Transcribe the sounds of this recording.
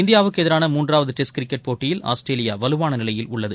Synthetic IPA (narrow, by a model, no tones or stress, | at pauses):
ɪnd̪ɪjaːʋɯkːɯɛðɪɾaːnɐmuːndraːʋɐðɯʈɛskɾɪkːɐʈ̚poːʈːɪjɪla̰ːsʈɾeːlɪja̰ʋɐlɯʋaːnɐnɪlɐjɪlʊɭːɐðɯ